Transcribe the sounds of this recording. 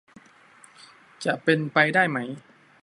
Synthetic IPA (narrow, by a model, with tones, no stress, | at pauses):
t͡ɕa˨˩ʔpe˧npa˧jdaː˥˩jma˦˥j